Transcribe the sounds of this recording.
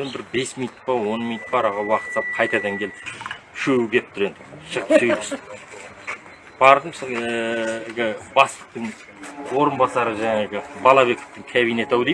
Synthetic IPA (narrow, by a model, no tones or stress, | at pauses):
onbɪɾbe̞smij̪t̪̚bɑwo̞nmij̪ət̪̚bɑɾɑʁɑwɑqə̥t̪sɑp̚qʰɑjt̪ɑd̪ɑŋkʲʰe̞lɪ | ʃɵwɪɡʲe̞p̚t̪ʊɾe̞nd̪ɪʃəqt̪sʰɵjɪs | b̥ɑɾd̪əmso | ɡʲɪbɑst̪ə̥q̚t̪əɴ | wo̞ɾənbɑsɑɾəʒæŋeɡʲɪbɑlˠɑβe̞ko̥ft̪ɪŋkʲʰæβijne̞t̪æwlej